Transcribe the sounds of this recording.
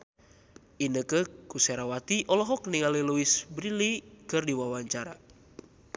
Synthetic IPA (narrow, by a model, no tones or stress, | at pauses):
ʔinəkəkusɛɾawat̪iʔɔlɔɦɔkniŋaliluisbɾilikɨrdiwawaɲt͡ʃaɾa̰